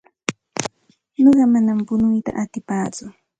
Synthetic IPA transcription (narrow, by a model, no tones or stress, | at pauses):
ɲoɢɑmanampʊnʊjt̪a̰ʔat̪ɪpaːt͡sʊ